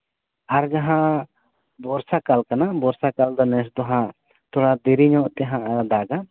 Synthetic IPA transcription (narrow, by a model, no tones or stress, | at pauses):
aɾd͡ʒaɦã | bɔɾsakalkanabɔɾsakald̪anɛs̬d̪ɔɦã | t̪ʰɔɽad̪iɾiɲɔ̃ʔt̪ɛɦãʔd̪aɡa